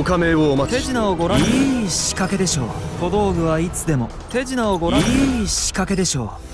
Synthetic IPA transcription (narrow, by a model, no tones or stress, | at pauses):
okameoːmat̪e̞ʑinaoɡo̞ɾaiɕi̥kake̞d̪e̞ɕo̞̰ːko̞d̪o̞ːɡɯ̟βait͡sɨd̪e̞mo̞ | t̪e̞ʑinaoɡo̞ɾaiɕi̥kake̞d̪e̞ɕo̞̰ː